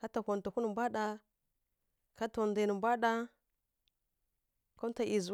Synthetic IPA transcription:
ka˦ta˨kʷo˨n˨tu˨ku˦nə˨mbʷa˦ɗa˦ | ka˦to˨ndə˨nə˨mbʷa˦ɗa˦ | ko˦m˦ta˨ʔi˨z

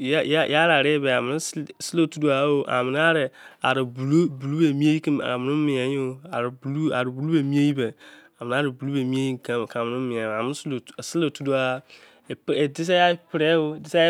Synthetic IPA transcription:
jja˦ja˦ɾa˨ɾɪ˦bɛ˨a˨mɪ̃˨nʊ̃˦sɪ˦lo˦˨tu˦du˦a˦o˨ʔa̰˨mɪ̃˨n˦a˦ɾɪ˨a̰˨ɾɪ˨bu˨lu˦bu˨lu˦be˨mi˦e˦ji˦kĩ˦m˨a̰˨mɪ̃˨nʊ̃˦m̩˦mɪ̃˨ã˨˦o˨a˨ɾblu˦a˨ɾɪ˨bu˨lu˦be˨mĩ˦e˦ji˦bɛ˨a˨mɪ̃˨n˦a˦ɾɪ˨bu˨lu˦be˨mĩ˦e˦ji˦ŋ̩˨kʰã˦m˨kʰa˨mɪ̃˨nʊ̃˦m̩˦mɪ̃˨ã˨a˨mɪ̃˦slsɪ˦lo˦˨tʰu˦du˦a˦˨ | pːdɪ˦s̬ɛ˦a˦pɪ˨ɾɛ˦wo˦˨dɪ˦sɛ˦

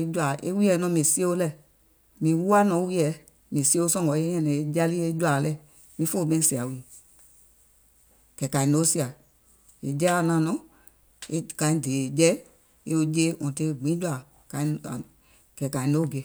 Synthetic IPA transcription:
e˧d͡ʒwa˨ʔe˦wi˦ɛ˨˦nɔ̃˧˦mĩ˨si˦e˦o˧˦lɛ˨ | mĩ˨˦wu˦a˦nɔ̃˨˧˦wi˦ɛ˨˦ | mĩ˨si˦o˧˦sɔ̃˦˨ɡɔ˨˦e˦ɲɛ̃˧nɛ̃˨e˨˦d͡ʒa˦li˦e˦d͡ʒa˨lɛ˦˨ | mĩ˧˦fo˦˨ɓẽ˦si˨a˨wi˨ | kɛ˨ka˨ĩ˨no˨˦si˦a˨ | ḛ˨d͡ʒɛ˦a˨nã˨nɔ̃˨˦ | e˦kã˨ĩ˦de˨d͡ʒɛ˦ | e˧o˧d͡ʒe˦wɔ̃˨te˧˦˨ɡ͡bĩ˨˦d͡ʒu˦a˨ | ka˨ĩ˦˨ | kɛ˨ka˨i˨no˨˦˨ɡe˨˦

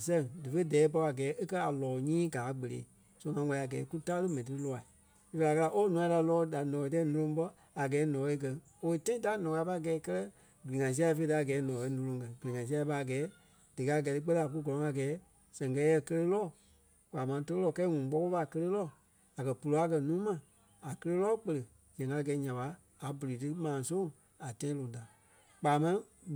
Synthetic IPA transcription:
sɛ̃˨ŋdɨ˨fe˦dɛː˨˦p̬ɔ˧a˨ɡɛː˨˦ʔe˦kɜ˦a˨lɔː˨ɲĩː˦ɡaː˨˦ɡ͡be˨lḛː˨˦ | so˧˦ŋã˧˦wa˧li˨a˨ɡɛː˨˦ku˦ta˦lɨ˦mɛ̃˨ĩ˨tɨ˧ɾɨ˦lɔ˧a˨ | i˦fa˨˧kə˧la˧ʔo˦nũ˧˦ã˧˦da˧lɔː˨˦da˨nɔ̃˨e˨˧tɛː˦nõ˧lõ˧˦ɓɔ˧˦ | a˨ɡɛː˨˦nɔ̃˨˦e˧˦k̬ɜ˧ | o˧e˦˧tã˦ĩ˦da˦nɔ̃ː˨ka˨˧˦pa˧˦˨ɡɛː˨˦kɜ˦lɜ˦ | ɡi˨ŋã˨s̬i˦a˧˦˧fe˧˦˧da˨˦˨ɡɛː˨˦nɔ̃˨e˧˦nõ˧lõ˧˦ŋkɛ̃˨ɡi˨i˨ŋã˨si˦a˧i˧pa˧˦a˨ɡɛː˨˦ | d̥ɨ˨ka˧˦˨ɡɛ˨˧tɨ˧k͡pə˦˧˦a˨k̬u˦ɡɔ˨ɔ̃˨ŋa˨ɡɛː˨˦ | sɛ̃˨ŋkɛ˧˦jɛ˧˨kə˧lə˦lɔː˦˨ | k͡paː˨mã˧tə˧ə˦lɔː˦˨kɛ˦ŋũ˨˦k͡pɔ˦ko˦ɓa˨kə˧le˦lɔː˦˨ | a˨kɜ˨pu˨lo˨˧˦a˦k̬ɜ˧˨nũː˨˦mã˨ | a˨kə˧le˦lɔː˦˨k͡pə˧lə˨ | d͡ʒɛ̃˨ŋka˧˦ɡɛː˨˦ɲã˨ɓaː˨˦˨ | bu˨li˨tɨ˦mãː˨sõ˦ | a˨tã˦ĩ˦lõ˨ta˨ | k͡paː˨mã˦

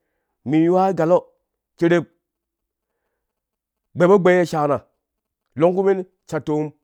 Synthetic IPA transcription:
mi˨jwa˦ɡa˨lo˦ | ke˦ɾe˦p̚ | ɡ͡be˨bo˦ɡ͡be˦je˦ʃa˨na˨ | lo˦ŋku˦mi˦n˦ | t͡ʃa˨tːo˦m

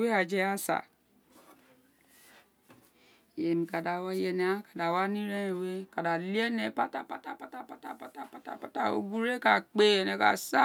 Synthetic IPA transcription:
we˦a˨d͡ʒe˦a˦sa̰˨ | je˨n˨ka˨da˨wa˦je˨ne˨˦a˦ka˨da˨wa˦ni˦ɾe˦˨we˦ka˨da˨li˦e˦ne˨pa˦ta˨pa˦ta˨pa˦ta˨pa˦ta˨pa˦ta˨pa˦ta̰˨pa˨˦ta˦˨o̰˦ɡu˦ɾe˦ka˨k͡pe˨ne˨ka̰˨sa˦

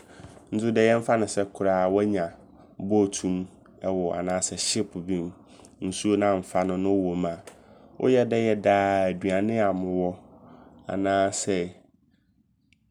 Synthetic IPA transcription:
n̩˦sʊ˦dɛ˦jɛ̃˦m̩˦fa˦nʊ̃˨sɛ˦kʰʊ˨ɾaː˨wɛ˦ɲã˨ | bɔ˦˨tʰũ˦m | ɛ˨wɔ˨ʔa̰˨nãː˦sɛ˨ɕɪ˦pʰʊ˨bĩ˦m | n̩˨su˦o˦nã˦˨m̩˨fa˦nʊ̃˦nʊ̃˦wo˨mã˨wʔʊ̰˦jɛ˦dɛ˦jɛ˦daː˦æ˨du˨a˨nɪ̃˦a˨mʊ̃˨wɔ˦ | a̰˨nãː˦sɛ˦

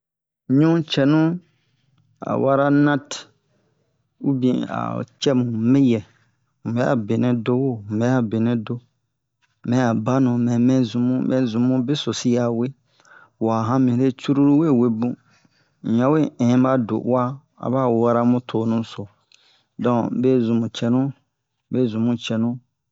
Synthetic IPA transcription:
ɲũ˦t͡ʃɛ˨nũ˦ | a̰˨wʔa˦ɾa˦nã˦t | u˦bĩ˨a̰˨t͡ʃɛ˦mũ˨mɛ̃˦jɛ˨ | mu˨bɛ˦a̰˨be˨nɛ̃˦do˦wo˦˨mɛ˨˦a˨be˨nɛ̃˦do˦ | mɛ̃˨˦a˨ba˦nũ˨mɛ̃˨mɛ̃˦zũ˨mũ˦mɛ̃˨zũ˨mũ˦be˦so˨si˦ja˨we˦ | wa˨ɦã˦mĩ˨ɾe˦t͡ʃu˦ɾu˦ɾu˦we˦˨we˨bũ˦˨ | ã˨˦we˦ɛ̃˨˦a˦do̰˨˦a˦ | a̰˨ba˦˨a˦ɾa˦mũ˦tʰo˨nũ˦so˨ | dɔ̃˨be˦zũ˨mũ˨t͡ʃɛ˨nũ˦ | be˦zũ˨mũ˦t͡ʃɛ˨nũ˦

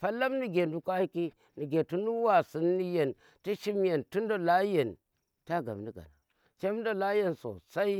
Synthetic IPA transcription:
fa˦la˦mni˨ɡe˨ndu˨ka˦hi˦ki˦ | ni˨ɡe˨tu˦nu˦wa˨si˨nːi˦je˨n | ti˦ʃi˦mje˨ntu˦n˦do˨la˦je˨n | ta˦ɡa̰˨mni˦ɡa̰˨na̰˨ | t͡ʃe˦m˦do˦˨la˦je˦˨nso̰˨sa˦i˦

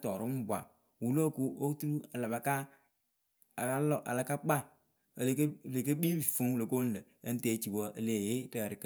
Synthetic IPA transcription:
tɔ˨ɾʊ˦m̩˦bʷa̰˨ | wu˨lo˦˨ku˦o˦tu˦ɾu˦a˨la˨ba˨ka˦ | a˨a˦lɔ˦˨ʔa̰˨la˨ka˦k͡pa˦˨ | lkle˨k̬ə˦bi˦bi˨fu˦ŋwlo˨ko˦n̩˦lə˨ | ə˦n̩˦te˦t͡ʃi˨wɔ˦ʔə˨le˨je˦tə˨ɾɪ˨kə˦

